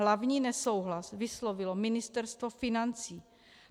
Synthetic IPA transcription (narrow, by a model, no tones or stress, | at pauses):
lavɲiːnɛsowɦlasvɪslovɪlomɪnɪst̪ɛɾst̪vofɪnant͡siː